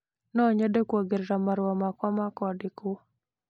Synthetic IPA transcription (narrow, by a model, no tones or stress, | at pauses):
nɔɲadekwoɡɪɾɾamaɾwɔmakɔmakɔdɪku